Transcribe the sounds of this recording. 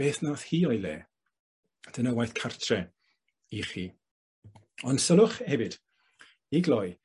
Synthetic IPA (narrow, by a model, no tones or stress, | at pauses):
eːθnaθhiːɔjlḛː | d̥ənəwajθkʰartʰrɛ | iχiː | ɔnd̥səlˠʊχhɛvɪd̥ | iɡlɔj